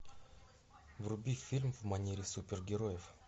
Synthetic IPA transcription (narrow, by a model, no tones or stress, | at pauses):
vrʊbʲifʲilʲmvmɐnʲeɾʲɪsupʲɪrɡʲɪɾojɪf